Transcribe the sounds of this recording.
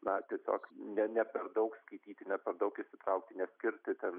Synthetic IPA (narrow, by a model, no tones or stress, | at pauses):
nɐt̪ʲiɛsʲo̰ːknʲɛnʲɛpʲɛrd̪ɐʊkskɐɪt̪ʲiːt̪ʲɪnʲɛpʲɛɾd̪ɐʊkɪʃʲsʲɪt̪ɾɐʊk̚t̪ʲɪnʲɛsʲkʲɪɾʲt̪ʲɪt̪ʲɛn